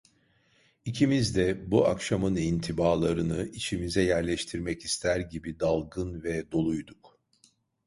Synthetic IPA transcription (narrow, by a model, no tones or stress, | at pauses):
icʰimizd̪ɛbua̰kʃamɯnint̪ʰibaːlˠaɾɯnɯʔit͡ʃʰimizɛjæɾlʲɛʃt̪ʰiɾmɛcist̪ʰæɾɟibid̪alˠɡɯnvɛd̪o̞lˠujd̪uk